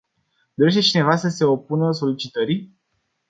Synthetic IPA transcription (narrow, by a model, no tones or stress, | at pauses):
d̪oɾe̞ʃt̪e̞t͡ʃine̞vasəse̞o̞punəso̞lit͡ʃit̪əɾi